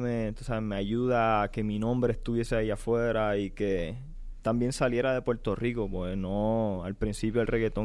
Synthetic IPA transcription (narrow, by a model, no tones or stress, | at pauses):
met̪o̥saeme̞aʝuðaːke̞minõmbɾe̞ːst̪uβjeseaiafwe̞ɾaike̞ | t̪ambje̞nsalje̞ɾaðe̞pwe̞ɾt̪o̞riko̞pwenoalpɾinsipjoelre̞ɣe̞t̪o